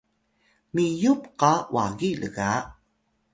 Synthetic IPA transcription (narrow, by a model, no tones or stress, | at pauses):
mijupqawʔa̰ɣilə̰ɣa